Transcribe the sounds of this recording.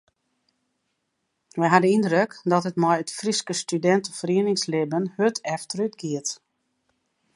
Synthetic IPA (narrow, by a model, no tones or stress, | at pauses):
ʋɛjɦadəindrøkdɔtətmɔjətfriskəstydɛntəfəriənɪŋslɪbənhøtʰɛftrytɡiət